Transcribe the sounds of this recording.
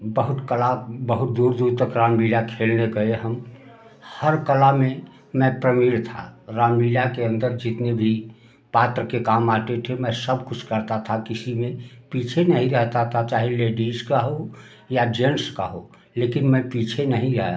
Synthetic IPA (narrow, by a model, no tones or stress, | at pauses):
bəɦʊt̪kəlabəɦʊt̪̚d̪uːɾd̪uːɾt̪əkɾaːmbiːljakʰeːlneɡəeɦəm | həɾkəlamẽ | mɛ̃pɾəmiːlt̪ʰa̰ɾaːmbiljakeə̃nd̪əɾd͡ʒɪt̪nebʱi | paːt̪ɾəkekaːmaːʈ̪et̪ʰemɛ̃səbkʊt͡ʃʰkəɾt̪at̪ʰakɪsimẽpiːt͡ʃʰenɐɦĩɾɛɦt̪at̪ʰat͡ʃaːɦeleːɖiːskaɦo | jad͡ʒenskaɦo̰ | leːkɪnmɛ̃piːt͡ʃʰenɐɦĩd͡ʒa̰ːja